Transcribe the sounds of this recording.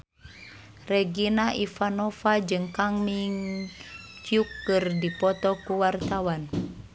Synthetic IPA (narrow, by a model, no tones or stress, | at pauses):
rɛɡinaʔifanɔfad͡ʒɨŋkaŋmiŋ | t͡ʃiukːɨrdipɔt̪ɔkuwart̪awan